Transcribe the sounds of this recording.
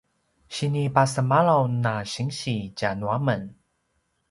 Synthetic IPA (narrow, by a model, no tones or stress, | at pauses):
ɕinipasəmalawnaɕiŋɕit͡ɕanwamən